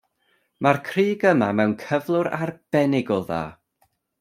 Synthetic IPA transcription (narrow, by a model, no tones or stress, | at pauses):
markʰriːɡəmamɛwnkʰəvlˠʊɾarb̥ɛnɪɡɔða̰ː